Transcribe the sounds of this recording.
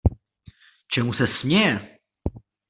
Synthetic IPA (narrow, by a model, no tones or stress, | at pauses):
t͡ʃɛmusɛsmɲɛjɛ